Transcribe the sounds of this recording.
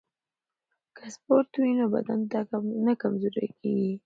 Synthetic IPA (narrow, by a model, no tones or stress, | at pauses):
kəspoɾt̪winoba̰d̪ant̪anakamzoɾa̰keɡi